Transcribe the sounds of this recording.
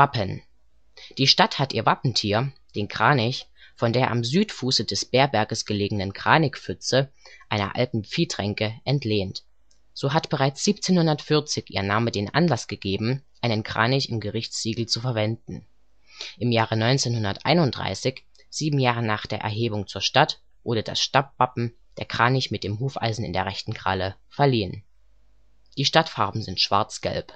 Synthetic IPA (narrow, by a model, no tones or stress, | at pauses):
vapən | d̥iːʃtathatʔiːɐvapn̩tʰiːɐd̥eːnkʁ̥aːnɪçfɔndeːɐʔa̰mzyːtfuːsədɛsb̥eːɐbɛɐɡəsɡ̥əleːɡəŋnənkʁ̥aːnɪkfʏt͡səʔaɪnɐ̰ʔa̰ltn̩p͡fiːtʁ̥ɛŋkəʔɛntleːnt | z̥oːɦatb̥əʁaɪt͡sz̥iːp̚t͡seːnhʊndɐtfɪɐt͡sɪçʔḭːɐnaːmədeːnʔa̰nlasɡ̥əɡeːbm̩ʔaɪnənkʁ̥a̰ːnɪçɪmɡəʁɪçt͡sz̥iːɡl̩t͡sufɛɐvɛndn̩ | ʔɪmjaːʁənɔʏnt͡seːnhʊndɐtʔa̰ɪnʊntd̥ʁa̰ɪsɪç | z̥iːbm̩jaːʁənaːχd̥eːɐʔɛ̰ɐɦeːbʊŋt͡suːɐʃtat | ʔoːɾɐda̰sʃtap̚v̥apm̩ | d̥eːɐkʁ̥aːnɪçmɪt̚d̥eːmɦuːfʔa̰ɪzn̩ɪ̰ndeːɐʁ̞ɛçtn̩ɡʁ̥a̰lə | fɛɐliːən | d̥iːʃtatfaɐbm̩zɪntʃv̥a̰ɐt͡sɡ̥ɛ̰lp